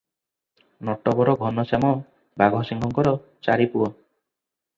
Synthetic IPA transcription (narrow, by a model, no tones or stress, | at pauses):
nɔʈɔbɔɾɔɡʱɔnɔsamɔ | baɡɔsiŋɡɔŋkɔɾɔ | t͡ʃaɾipuɔ